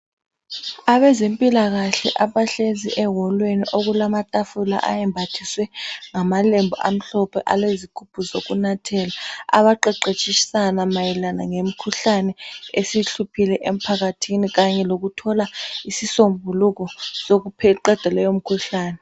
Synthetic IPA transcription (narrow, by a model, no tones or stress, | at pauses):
aβɛzempʼilaɣaɬɛ̰ʔaβaɬeziʔɛɦɔlweniʔoɣulamatʼafula̰ʔa̰jɛmbʱatʰiswɛŋamalembʱɔʔam̩ɬɔpʰɛ̰ʔalezikʰupʰuzoɣunatʰɛːlaa̰βaǃɛǃet͡ʃʼiʃi̥sanamajɛlanaŋem̩kʰuɬanɛesiɬupʰilɛʔem̩pʰaɣatʰiniɣaɲɛloɣutʰɔlaisisombʱuluɣɔsoɣupʰɛǃɛd̥ʱɛlɛjom̩kʰuɬaːnɛ